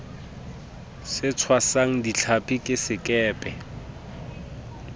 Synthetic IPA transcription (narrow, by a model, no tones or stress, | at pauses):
sɪt͡sʰwasaŋ̩dit͡ɬʰapʼikʼɪsɪkʼɛːpʼɛ